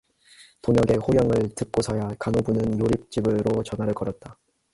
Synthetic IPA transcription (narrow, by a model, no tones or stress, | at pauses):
toŋjʌɡe̞hojʌŋɯɭtɯk̚k͈osʰʌjakanobunɯnjoɾip̚t͡ɕ͈ibɯɾot͡ɕʌnɦwaɾɯɭkʌɾʌt̚t͈a